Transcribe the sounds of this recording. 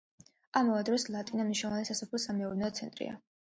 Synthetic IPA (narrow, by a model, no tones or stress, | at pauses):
amɔvad̪ɾɔslˠat̪ʼinamniʃnɔlˠvanɛsasapʰlɔsamɛuɾnɛɔt̪sʰɛ̰nt̪ʼɾḭa̰